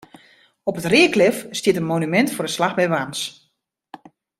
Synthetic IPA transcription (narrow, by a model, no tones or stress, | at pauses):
ɔpətrɪəklɪfstjɪtənmonymɛntfʊrəslaxbɛjʋans